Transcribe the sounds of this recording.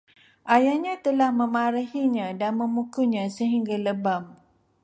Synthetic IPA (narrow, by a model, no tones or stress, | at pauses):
ʔajaɲãt̪əlahmə̃maɾahiɲãdanmə̃mukuɲãsəɦiŋɡaləbam